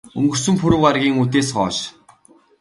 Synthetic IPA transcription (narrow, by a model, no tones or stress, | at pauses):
ɵ̰ŋɡɵ̆r̥sɵ̆mpʰɵɾɘ̆wɢaɾɣʲiːŋut̪̬eːsɢɔːʃ